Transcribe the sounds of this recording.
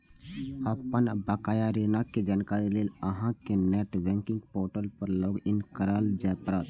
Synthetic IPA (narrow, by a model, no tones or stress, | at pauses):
əpənbaːkaːjaɾinaked͡ʒaːnkaːɾileːləɦãkenɛːʈʋɛ̃ːŋkɪŋɡpoːɾʈəlpəɾloːɡɪnkəɾəld͡ʒaːpɾət̪